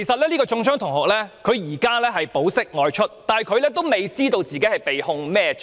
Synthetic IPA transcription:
e˨˩jsɐ˨t̚lɛː˥liː˥kɔː˧t͡sʊ˧ŋsʰœː˥ŋt̪ʰʊ˨˩ŋɦʊ˨k̚lɛː˥kʰɵ˨˧ɥjiː˨˩kaː˥lɛː˥ɦɐ˨jpo˨˥wsɪ˥k̚ŋɔː˧jt͡ʃʰɵ˥t̪̚t̪aː˨jkʰɵ˧ɥlɛː˥t̪o˥wme˨jt͡siː˥t̪o˧wt͡siː˨ke˨˥hɐ˨jpe˨jhʊ˧ŋmɛː˥

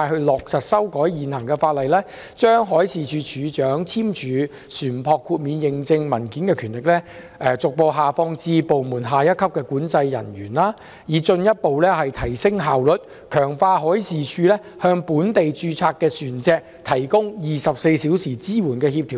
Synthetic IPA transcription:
a˧jɦɵ˧ɥlɔː˨k̚sɐ˨t̚sɐ˥wkɔː˨˥jjiː˨nhɐ˨˩ŋkɛː˧faː˧t̚lɐ˨jlɛː˥ | t͡ʃœː˥ŋɦɔː˨˥jsiː˨t͡ʃʰyː˧t͡ʃʰyː˨˧˥t͡ʃœː˨˥ŋt͡sʰiː˥mt͡ʃʰyː˨˥ | syː˨˩npʰɔː˧kʰːuː˧t̚miː˨˧njɪ˨ŋt͡sɪ˧ŋmɐ˨˩nkiː˨˥nkɛː˧kʰyː˨˩nlɪ˨˩k̚lɛː˥ | ʔɛː˧t͡sʊ˨k̚po˧wɦaː˨fɔː˧ŋt͡siː˧po˨wmuː˨˩nɦaː˨jɐ˥t̚kʰɐ˥p̚kɛː˧kuː˨˥nt͡sɐ˧jːɐ̰˨˩njyː˨˩nlaː˥ | jiː˨˩t͡ʃɵ˧njɐ˥t̚po˨wlɛː˥hɐ˨jt̪ʰɐ˨˩jsɪ˥ŋɦaː˨wlɵ˨t̚ | kʰœː˨˩ŋfaː˧ɦɔː˨˥jsiː˨t͡ʃʰyː˧lɛː˥ | hœː˧ŋpuː˨˥nt̪e˨jt͡ʃyː˧t͡sʰaː˧kːɛː˧syː˨˩nt͡sɛː˧k̚t̪ʰɐ˨˩jkʊ˥ŋjiː˨sɐ˨p̚se˧jsiː˨˥wsiː˨˩t͡siː˥wuː˨˩nkɛː˧hiː˧p̚t̪ʰiː˨

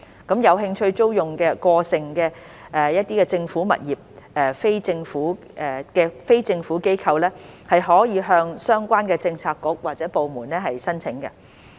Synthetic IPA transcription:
kɐ˨˥mjɐ˨˧whɪ˧ŋt͡ʃʰɵ˧ɥt͡so˥wjʊ˨ŋkɛː˧kʷɔː˧sɪ˨˩ŋkɛː˧ | ʔɛː˨jɐ˥t̚t̪iː˥kɛ˧t͡sɪ˧ŋfuː˨˥mɐ̰˨t̚jiː˨p̚ɛː˨fe˥jt͡sɪ˧ŋfuː˨˥ | ɛː˨˩kɛː˧fe˥jt͡sɪ˧ŋfuː˨˥ke˥jkʰɐ˧wlɛː˥hɐ˨jɦɔː˨˥jiː˨˧ɦœː˧ŋsœː˥ŋkʷaː˥nkɛː˧t͡sɪ˧ŋt͡sʰaː˧kːʊ˨˥k̚waː˨t̚t͡sɛː˨˥po˨wmuː˨˩nɛ˥ɦɐ˨jsɐ˥nt͡sʰɪ˨˥ŋkɐ̰˧

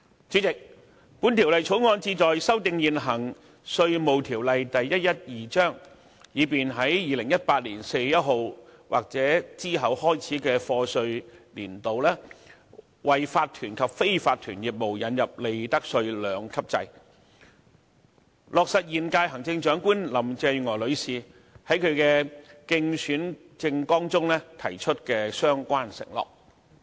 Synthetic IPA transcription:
t͡sy˨˥t͡sɪ˨k̚ | puː˨˥nt̪ʰi˨˩wlɐ˨jt͡ʃʰo˨˥wŋɔː˧nt͡siː˧t͡sɔː˨jsɐ˥wt̪ɪ˨˧ŋjiː˨nɦɐ˨˩ŋ | sɵ˧ɥmo˨wt̪ʰiː˨˩wlɐ˨jt̪ɐ˨jːɐ˥t̚jɐ˥t̚jiː˨t͡ʃœː˥ŋ | jiː˨˧piː˨nɦɐ˨˥jjiː˨˧lɪ˨˩ŋjɐ˥t̚paː˧t̚liː˨˩nse˧jjɐ˥t̚ɦo˨wwʔaː˨k̚t͡sɛː˨˥t͡siː˥ɦɐ˨whɔː˥jt͡sʰiː˨˥kɛː˧fɔː˧sɵ˧ɥliː˨˩nt̪o˨wlɛː˥ | wɐ˨jfaː˧t̪ʰyː˨˩nkʰɐ˨p̚fe˥jfaː˧t̪ʰyː˨˩nji˨˩p̚mo˨˩wjɐ˨˥njɐ˨p̚le˨jt̪ɐ˥k̚sɵ˧ɥlœː˨˧ŋkʰɐ˥p̚t͡sɐ̰˧j | lʔɔː˨k̚sɐ˨t̚jiː˨nkaː˧jɦɐ˨˩ŋt͡sɪ˧ŋt͡ʃœː˨˥ŋkuː˥nlɐ˨˩mt͡sɛ˧jŋɔː˨˩lɵ˨˧ɥsiː˨˧ | hɐ˨˥jkʰɵ˨˧kɛː˧kɪ˧ŋsyː˨˥n | t͡sɪ˧ŋkɔː˥ŋt͡sʊ˥ŋlɛː˥t̪ʰɐ˨˩jt͡ʃʰɵ˥t̚kɛː˧sœː˥ŋkʷaː˥nsɪ̰˨˩ŋlɔ̰ː˨˩k̚

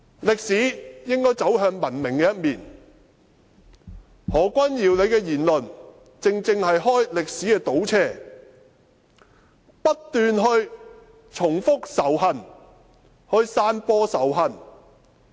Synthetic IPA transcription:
lɪ˨k̚siː˨˥jɪ˥ŋkɔː˥jt͡sɐ˨˥wɦœː˧ŋmɐ˨˩nmɪ˨˩ŋkɛː˧jɐ˥t̚miː˨n | hɔː˨˩kʷɐ˥njiː˨wle˨˧jkɛː˧jiː˨˩nlɵ˨n | t͡sɪ˧ŋt͡sɪ˧ŋhɐ˨jɦɔː˥jlɪ˨k̚siː˨˥kɛː˧t̪o˨˥wt͡sʰɛː˥ | pɐ˥t̚t̪yː˨nɦɵ˧ɥ | t͡sʰʊ˨˩ŋfʊ˥k̚sɐ˨˩wɦɐ˧n | hɵ˧ɥsaː˥npɔː˥sɐ˨wɦɐ˧n

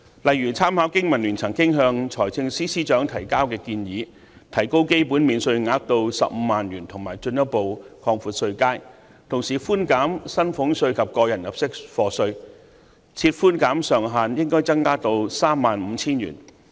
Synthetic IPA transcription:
lɐ˨jɥyː˨˩t͡sʰaː˥mhaː˨˥wkɪ˥ŋmɐ˨˩nlyː˨˩nt͡sʰɐ˨˩ŋkɪ˥ŋɦœː˧ŋt͡sʰɔː˨˩jt͡sʰɪ˧ŋsiː˥siː˥t͡ʃœː˨˥ŋt̪ʰɐ˨˩jkaː˥wkɛː˧kiː˧njiː˨˥ | t̪ʰɐ˨˩jko˥wke˥jpu˨˥nmiː˨˧nsɵ˧ɥŋaː˨˥k̚t̪o˧wsɐ̰˨p̚m̩˨˧maː˨nɥyː˨˩nt̪ʰʊ˨˩ŋmaː˨˩jt͡ʃɵ˧njɐ˥t̚po˨wkʰɔː˧ŋfuː˨t̚sɵ˧ɥkaː˥j | t̪ʰʊ˨˩ŋsiː˨˩fuː˥nkaː˨˥msɐ˥nfʊ˨˥ŋsɵ˧ɥkʰɐ˨p̚kɔː˧jɐ˨˩njɐ˨˩p̚sɪ˥k̚fɔː˧sɵ˧ɥ | t͡sʰiː˧t̚fuː˥nkaː˨˥msœː˨˩ŋɦaː˨njɪ˥ŋkɔː˥jt͡sɐ˥ŋkaː˥t̪o˧wsaː˥mːaː˨nm̩ː˨˧t͡sʰiː˥nɥy̰ː˨˩n

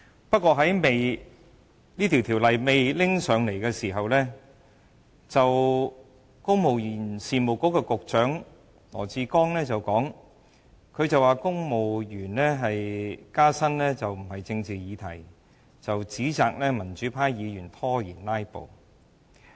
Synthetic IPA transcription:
pɐ˥t̚kʷɔː˧ɦɐ˨˥jme˨j | niː˥t̪ʰi˨˩wt̪ʰiː˨˩wlɐ˨jme˨jlɪ˥ŋsœː˨˧ŋle˨˩jkɛː˧siː˨˩ɦɐ˨wlɛː˥ | t͡sɐ˨w | kʊ˥ŋmo˨wjyː˨˩nsiː˨mo˨wkɔː˨˥kɔː˧kʊ˨k̚t͡ʃœː˨˥ŋ | lɔ̰ː˨˩t͡siː˧kɔː˥ŋlɛː˥t͡sɐ˨wkɔː˨˥ŋ | kʰɵ˨˧ɥt͡sɐ˨waː˨˩kʊ˥ŋmo˨wjyː˨˩nlɛː˥ɦɐ˨jkaː˥sɐ˥nlɛː˥t͡sɐ˨wm̩˨˩hɐ˨jt͡sɪ˧ŋt͡siː˨jiː˨˧t̪ʰɐ˨˩j | t͡sɐ˨wt͡siː˨˥t͡saː˨k̚lɛː˥mɐ˨˩nt͡ʃyː˨˥pʰaː˨˥jjiː˨˧jyː˨˩nt̪ʰɔː˥jiː˨˩nlaː˥jpo̰˨˩w

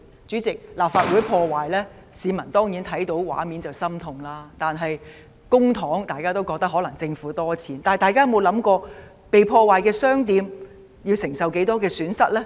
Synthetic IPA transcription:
t͡ʃyː˨˥t͡sɪ˨k̚laː˨p̚faː˧t̚wu˨˥jpʰɔː˧waː˨jlɛː˥ | siː˨˧mɐ˨˩nt̪ɔː˥ŋjiː˨˥nt̪ʰɐ˨˥jt̪o˨˥wwa̰ː˨˥miː˨˥nt͡sɐ˨wsɐ˥mt̪ʰʊ˧ŋlaː˥t̪aː˨nɦɐ˨j | kʊ˥ŋt̪ʰɔː˨˥ŋt̪aː˨jkaː˥t̪o˥wkɔː˧k̚t̪ɐ˥ɦɔː˨˥lɐ˨˩ŋt͡sɪ˧ŋfuː˨˥t̪ɔː˥t͡sʰiː˨˥nt̪aː˨t̪aː˨˩jkaː˥mo˨˧wlɐ˨˥mkɔː˧ | pe˨˩jpʰɔː˧waː˨jkɛː˧sœː˥ŋt̪iː˧m | jiː˧wsɪ˨˩ŋsɐ˨˧wke˨˥jt̪ɔː˥kɛː˧syː˨˥nsɐ˥t̚lɛː˥

